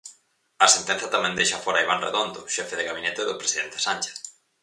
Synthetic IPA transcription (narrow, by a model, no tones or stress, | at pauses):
ɐsent̪ɛ̃n̟θjɐt̪amɛ̃nd̪ejʃafɔɾaiβanrḛðond̪ʊʃɛfeðeɣaβinɛt̪eðʊpɾesiðent̪e̥sanʲt͡ʃe̥θ